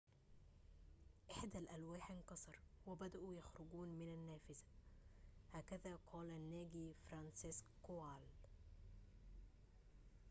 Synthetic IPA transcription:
ʔɪħd̪ælʔælwaːħʔɪnkɑsˤɑɾˤwɪbæd̪æʔujæxɾʊɡuːnmɪnanːæːfɪzæ̥ | hæːkæðæːqʰɑːlænːæːɡiːfɾˤɑnsɪskoaːl

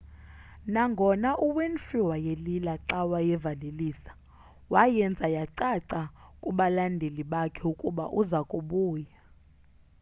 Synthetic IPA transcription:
naŋɡʱɔnaʔuwenfiwajelilaǀawajɛvaleliːsḁ | wajɛnd͡zʱajaǀaǀakʼuɓalandʱeliɓakʰɛukʼuɓa̰ʔuzakʼuɓuːja

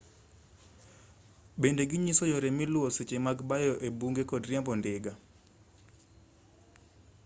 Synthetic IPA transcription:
bendeɡɪɲisojoɾemɪlwoset͡ʃemaɡbajɔʔebuŋɡekɔdrjambɔndɪɡa

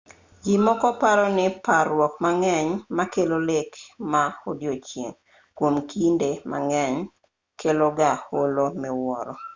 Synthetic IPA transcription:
d͡ʒimɔkɔpaɾɔnɪparwɔk̚maŋɛɲmakelolekmaodjot͡ʃjḛŋ | kwomkindema̰ŋɛɲ | keloɡaholomɛwɔɾɔ

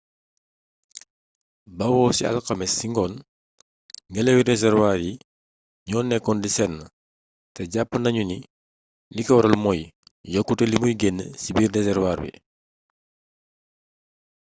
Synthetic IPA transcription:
bɐwɔsiɐ̰lkɐmɛsːiŋɡɔn | ŋɡɛlɛwidɛzɛɾwaːɾji | ɲɔːnːɛkːɔndisɛnːə | tɛɟapːənɐɲuni | likɐwɔɾɐlmɔjjɔkːutɛlimujɡɛnːəsibirdɛzɛrwaːrbḭ

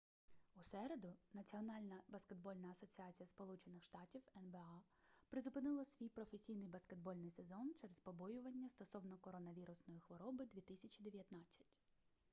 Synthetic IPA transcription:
usɛɾe̞d̪ʊnɐt͡sʲiɔnɑlʲnɐbɐske̞d̪bɔlʲnɐːsɔt͡sʲiɑt͡sʲijɐspɔlˠut͡ʃenɪxʃt̪ɑtʲiwɛnbeɑ | pɾɪzʊpɪnɪlˠɐsʲʋʲijpɾɔfesʲijnɪjbɐske̞d̪̚bɔlʲnɪjse̞zɔnt͡ʃɛɾezpɔbɔjʊʋɐnʲːɐst̪ɔsɔwnɔkɔɾɔnɐʋʲiɾʊsnɔjixʋɔɾɔbɪd̪ʲʋʲit̪ɪsʲɐt͡ʃʲid̪eʋʲjɐt̪nɑt͡sʲːɐ̥tʲ

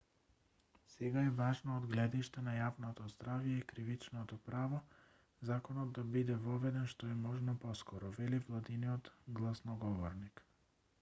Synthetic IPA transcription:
sɛɡaɛvaʒnɔːd̪ɡlɛd̪iʃt̪ɛnajavnɔt̪ɔzd̪ɾavjɛikɾivit͡ʃnɔt̪ɔpɾavɔ | zakɔnɔd̪̚ːabid̪ɛvɔvɛd̪ɛnʃt̪ɔɛmɔʒnɔpɔskɔɾɔvɛlivlˠad̪iniɔt̪ɡlˠasnɔɡɔvɔɾnik

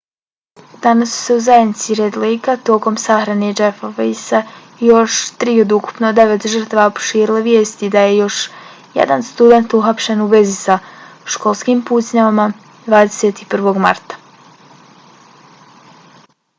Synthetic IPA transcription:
d̪anasːu̥se̞uzajed̪nit̪siɾed̪liːkat̪o̞ːko̞msaxɾaned͡ʒefofisa | jo̞ʃt̪ɾiːo̞d̪uku̥pnod̪e̞ʋet̪ʒər̩t̪aʋaopo̥ʃiːɾileʋjeːst̪id̪aje̞jo̞ʃ | jḛd̪anst̪ud̪e̞nt̪uxapʃe̞nuʋe̞zisaʃko̞lˠskiːmpuːzɲaʋama | d̪ʋaːd̪eset̪ipr̩ʋo̞ɡma̰ɾt̪ḁ

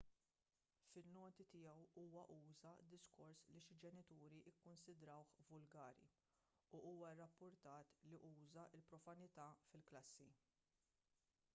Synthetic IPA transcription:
fɪnːɔːt̪it̪ɪjɛwuːwɐʔuːzɐd̪ɪskɔɾsliʃɪld͡ʒɛnɪt̪uːɾiʔɪkːʊnsɪd̪ɾɐwħvʊlɡɐːɾḭ | uʔuːwɐrːɐpːʊɾt̪ɐːt̪liʔuːzɐʔɪlpɾɔfɐnɪt̪ɐːfɪlklɐsːi

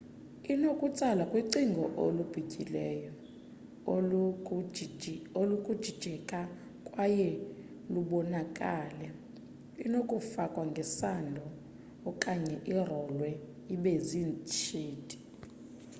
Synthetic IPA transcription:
inokʼut͡sʼalakʼwiǀiŋɡʱɔʔo̰lub̥ʱikʼilɛjɔ | olukʼud̥ʒ̥ʱid̥ʒ̥ʱɛkʼa | kʼwajɛ | luɓɔnakʼaːlɛ | inokʼufakʼwaŋɡʱɛsandʱɔː | kʼaɲɛʔirɔlwɛ | iɓezint͡ʃʰʼiːtʼi̥

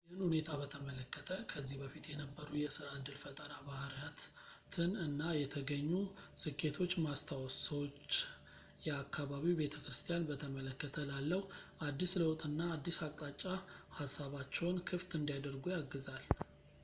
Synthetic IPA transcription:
jjɪhɨnhune̞t̪ʰabət̪ʰəmələkːət̪ʰəkʰəzːihbəfit̪jɛnəbːəɾujɛsɨɾaɨnd̪ɨlfət̪ʼəɾabahɾjat̪ | t̪ʰɨnɨnːajɛt̪ʰəɡəɲːusɨkʰːe̞t̪ʰo̞t͡ʃːmast̪ʰawsəwot͡ʃː | jɛakʰːaβaβibe̞t̪ʰəkɾɨst̪ʰʼijanbət̪ʰəmələkːət̪ʰəlalːəhuʔad̪ːisləwt̪ʼɨnːaːd̪ːisakʼt̪ʼat͡ʃʼːahasːaβat͡ʃːɛwnkʰɨft̪ɨnd̪ijad̪əɾɡujaɡːɨzal

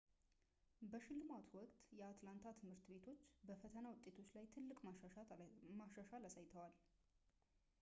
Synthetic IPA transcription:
bəʃɪlːɨmat̪ʰwɔkʼt̪ʼjɛat̪lant̪ʰat̪ʰɨmhɨɾt̪be̞t̪ʰo̞t͡ʃːbəfət̪ʰənawʊt̪ʼːe̞t̪ʰo̞t͡ʃːlajt̪ʰɨlːɨkʼmamaʃaʃalasajt̪ʰəwal

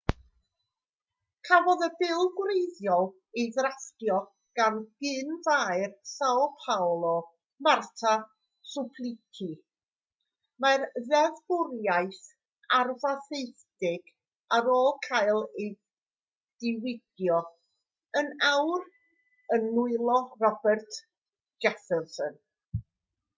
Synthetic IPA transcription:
kʰavɔðəbɪlˠɡwrejðjɔlˠ | eðrastjɔ | ɡ̥anɡ̥ɪnvaːjrsawlˠpʰawlˠɔ | martʰa | sʊpʰlˠɪkʰi | marðɛvɡʊrjaɨθ | arvaθejθdɪɡ̥ | aɾoːlˠkʰaɨlˠe | d̥ɪwɪɡ̥jɔ | ənawr | ənːʊɨlˠɔrɔbɛrtʰ | d͡ʒ̥ɛfɛnsən

